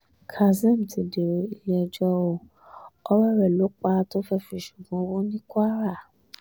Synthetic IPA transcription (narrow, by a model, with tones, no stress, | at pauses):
kʰa˨zɛ̃˦˨m˨ti˨de˨ɾe˨i˨lɛ˦˧˨d͡ʒɔ˧˦o˧˨ | ɔ˦wɛ˦ɾɛ˨lo˨˦k͡pa˦to˦fɛ˦fĩ˧˨ʃu˨ɡã˨˦wo˦nĩ˦kʷa˦ɾa˦˨